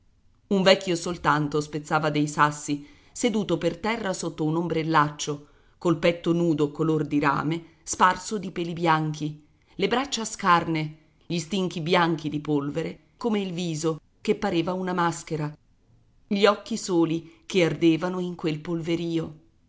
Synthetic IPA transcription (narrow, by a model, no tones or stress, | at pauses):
uɱvɛkʰʲːjosolt̪ant̪ospet̪sːaːvad̪ejsasːi | sed̪uːt̪opert̪ɛrːasot̪ːounombɾelːat͡ʃːo | kolpɛt̪ːonuːd̪okolord̪iɾa̰ːme | sparsod̪ipɛːlibjaŋkʰi | lebɾat͡ʃːaskarne | ʎist̪iŋkibjaŋkid̪ipolveɾe | komeilviːzo | kepːaɾeːvaunamaskeɾa | ʎiɔkːisoːlikeard̪eːvanoiŋkwelpolveɾiːo